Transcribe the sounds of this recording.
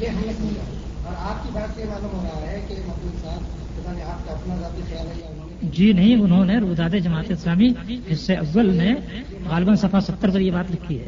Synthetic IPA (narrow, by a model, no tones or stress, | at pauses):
jeɦɐmnekʰuka | ɔːɾaːp̚kibaːt̪seebaːd̪obɐɾaːɾeɛkemɐd̪usaːn | ʊt̪aneaːp̚kaɐpnazaːt̪ixɐjaːlɦɛjaʊnɦõnd͡ʒiːnɐɦĩʊnɦõneɾud̪aːd̪ed͡ʒɐmaːt̪eɪslaːmihɪsːeʔɐɡwəlne | ɣaːlbənsɐpʰasɐt̪ːəɾp̬ɐɾjebaːt̪ɾɐkʰːiɦɛ̰ː